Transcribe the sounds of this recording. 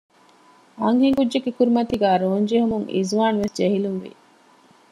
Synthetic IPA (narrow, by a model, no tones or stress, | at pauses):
ɐŋheŋɡudd͡ʒeɡekuɾimɐt̪iɡæːɾoːɲd͡ʒeɦumuŋʔḭzʋaːnʋesd͡ʒeɦilunʋḭ